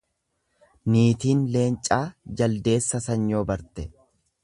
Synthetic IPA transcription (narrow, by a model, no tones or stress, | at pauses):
niːt̪iːnle̞ːnt͡ʃʼaːd͡ʒɐld̪e̞ːsːɐsɐɲːo̞ːbɐɾt̪ɛ